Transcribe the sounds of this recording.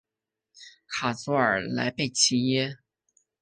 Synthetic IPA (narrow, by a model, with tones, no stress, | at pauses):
kʰa˨˩t͡sɔ˧˥ə˞˨˩la̰˧˥ɪpe˥˩ɪt͡ɕʰi˧˥jɛ˥